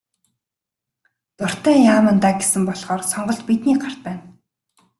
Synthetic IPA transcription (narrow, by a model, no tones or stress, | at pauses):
t̪ʊr̥t̪æːjaːmə̆nt̪aːɡesɘ̆mpɔɮχɔːrsɔɴɢɞ̆ɬt̪pit̪niːɢar̥t̪̚pæːn